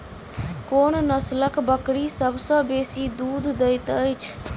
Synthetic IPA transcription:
koːnnəsləkbəkɽisəbʱsə̃besid̪uːd̪ʱd̪əjt̪əjt͡ʃʰ

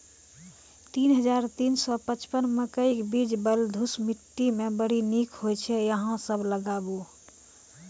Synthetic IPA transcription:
t̪inɦəd͡ʒaɾt̪iːnsɔpət͡ʃpənməkəikbid͡ʒbəld̪ʱusmiʈːimẽbəɽinikʰɦojt͡ʃʰɛjəɦãsəbləɡabu

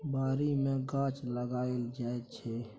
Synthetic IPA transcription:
baːɾimẽɡãt͡ʃləɡaːeld͡ʒaet͡ʃʰɛ

